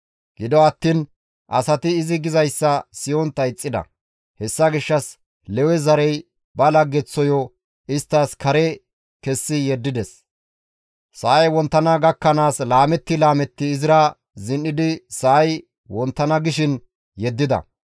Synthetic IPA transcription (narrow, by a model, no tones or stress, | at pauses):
ɡ̥ɪd̪ɔɐt̪ːiːn | ʔɐ̰sɐt̪ɪːzɪɡɪzɐjsːɐsɪjɔnt̪ɐɪt͡sʼːɪd̪ɐ̰ | hɛsːɐɡɪʃːɐs | lɛwɛzɐɾɛj | bɐlɐɡːɛt͡sːɔjɔ | ɪst̪ːaːskʰɐɾɛ | kɛsːɪjɛd̪ːɪd̪ɛs | sɐːjwɔnt̪ːɐnɐɡɐkːɐnaːslaːmɛt̪ːɪlaːmɛt̪ːɪːzɪɾa | zɪnːɪd̪ɪsɐːj | wɔnt̪ːɐnɐɡɪʃɪn | jɛd̪ːɪd̪ɐ̰